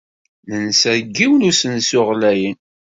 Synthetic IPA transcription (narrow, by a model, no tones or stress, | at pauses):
nənsəɾɡːiwnusənsʊʁlæjən